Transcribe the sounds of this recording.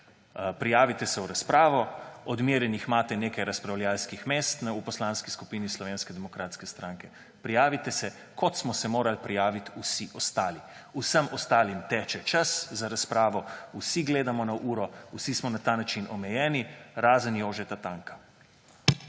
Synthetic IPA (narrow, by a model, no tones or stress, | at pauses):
pɾijaːʋit̪ɛsɛuɾaspɾaːʋɔɔd̪miɾjɛnixmaːt̪ɛneːkajɾaspɾawljalskixmeːst̪nupɔslaːnskiskupiːnislɔʋeːnskɛd̪ɛmɔkɾaːt̪skɛst̪ɾaːŋkɛ | pɾijaːʋit̪ɛsɛ | kʰɔt̪smɔsɛmoːɾalpɾijaːʋit̪usiʔɔst̪aːliusəmɔst̪aːlimt̪ɛːt͡ʃɛt͡ʃaszaɾaspɾaːʋɔusiɡleːd̪amɔnaʔuːɾɔusismɔnat̪aːnat͡ʃinɔmɛjɛːniɾaːzənjoːʒɛt̪at̪aŋkḁ